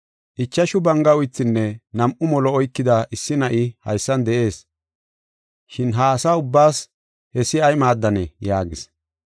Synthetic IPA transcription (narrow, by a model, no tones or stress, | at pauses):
ʔɪt͡ʃːɐʃʊbɐŋɡɐʊjt̪ːɪnːɛnɐmʔʊmɔlɔɔjkːɪd̪ɐʔɪsːɪnɐʔɪhɐ̰jsːɐnd̪ɛʔe̞ːs | ʃɪnɦɐːsaʊbːaːs | hɛsːɪɐjmaːd̪ːɐnɛjaːɡɪs